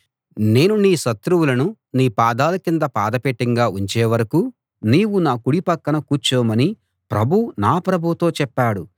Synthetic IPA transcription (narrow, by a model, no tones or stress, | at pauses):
ne̞ːnuniːʃɐt̪ɾuwulɐnu | niːpaːd̪aːlɐkind̪ɐpa̰ːd̪ɐpeʈːiŋɡaːuɲt͡ʃeːʋɐɾɐku | niːʋunaːkuɽipɐkːɐnɐkuːt͡ʃɔːmɐni | pɾʔɐbʱunaːpɾɐbʱut̪o̞ːt͡ʃɛpːaːɽu